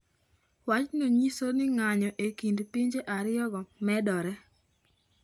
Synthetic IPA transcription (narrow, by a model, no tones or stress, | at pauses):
wat͡ʃnoɲisonɪŋaɲɔʔekindpiɲd͡ʒeʔaɾɪɔɡɔmɛdɔɾɛ